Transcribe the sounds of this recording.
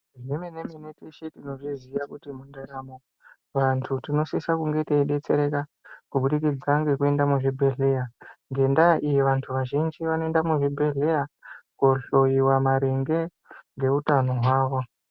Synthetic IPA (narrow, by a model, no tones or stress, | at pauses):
ʐemineminetiʃetino̞ʐizijakutimundaɾamo | ʋantʰutino̞sisakuŋɡeteiɗe̞t͡se̞ɾe̞ka | kuɓuɗikid͡zaŋɡe̞kue̞ndamuʐibʱe̞ɮe̞jaŋɡe̞ndaʔijiʋantʰuʋaʒind͡ʒiʋanoe̞ndamuʐibʱeɮejakoɬo̞jiwamaɾeŋɡe̞ | ŋɡe̞utano̞ɦwaːʋo̞